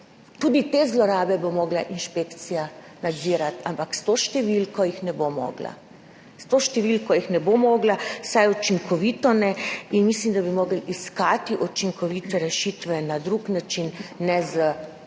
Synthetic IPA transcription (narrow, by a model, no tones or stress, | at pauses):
t̪ud̪it̪eːzlɔɾaːbɛbomɔːɡlaʔinʃpeːkt̪sija | nad̪ziːɾat̪ampakst̪oːʃt̪ɛʋilkɔjixnɛbomɔ̰ːɡla̰ | st̪oːʃt̪ɛʋilkɔjixnɛbomɔːɡlasajut͡ʃiŋkʰɔʋiːt̪ɔnɛinmislimd̪abimoːɡəliskaːt̪iʔɔt͡ʃiŋkɔʋiːt̪ɛɾɛʃiːt̪ʋɛnad̪ɾuknat͡ʃinːɛzə